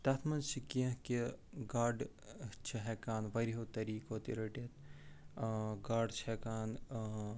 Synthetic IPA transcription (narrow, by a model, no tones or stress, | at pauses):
t̪ɐt̪ʰmɐnt͡ʃʰikiɐ̃kiɡaːɖ | t͡ʃʰiɦɛkaːnʋɐɾiɦoːt̪ɐɾiːkoːt̪iɾɐʈet̪̚ | ɡaːɖt͡ʃʰɛkaːn